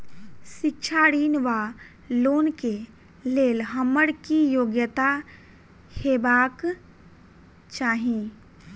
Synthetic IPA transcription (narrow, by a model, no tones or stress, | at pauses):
sɪkt͡ʃʰaːɽiːnʋa | loːnke | leːlɦəməɽkijoːɡjət̪a | heːbaːk | t͡ʃaːɦĩ